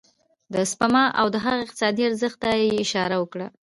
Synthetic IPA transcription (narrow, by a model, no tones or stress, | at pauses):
d̪əspamɑʔawd̪əɦaɣaɪq̚t̪ɪ̥sɑd̪iaɾzəxt̪ajeɪʃɑɾawəkɽa